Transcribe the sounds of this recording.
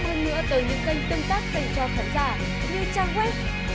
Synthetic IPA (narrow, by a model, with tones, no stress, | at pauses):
həː˧nːɨ̰˧˥ət̪əː˨˦jɲɨ̰˧˥ŋkə˧jŋt̪ə˧wŋ͡mt̪aː˦˥k̚fa˧˩t͡ɕɔ˧˩t̪ʰaː˨˦zaː˧˩ | zi˧ə˧t͡ɕaː˧ŋhwe˦˥t̚